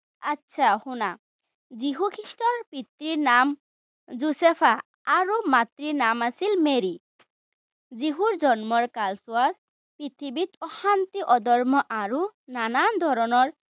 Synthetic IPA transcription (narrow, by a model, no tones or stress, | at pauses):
atːʃʰahuna | ziɦukʰɾiʃʈɔɾpit̪ɾiɾnam | zusepʰa | aɾumat̪ɾiɾnamasilmeɾi | ziɦuɾd͡ʒɔnmɔɹkalsuad̪̚ | pɾit̪ʰibit̪ɔhant̪iʔɔd̪ɔɾmɔʔaɾunanand̪ʱɔɾɔnɔɾ